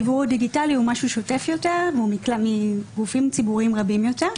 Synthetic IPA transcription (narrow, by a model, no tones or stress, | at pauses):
buʁdiɡitaliumaʃuʃote̞fjo̞teʁvumiklamiɡufimt͡sibuʁimʁabimjoteʁ